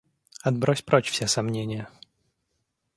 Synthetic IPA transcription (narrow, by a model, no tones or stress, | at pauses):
ɐd̪̚bɾɔsʲpɾɔt͡ɕfsʲɛsamnʲenʲɪjə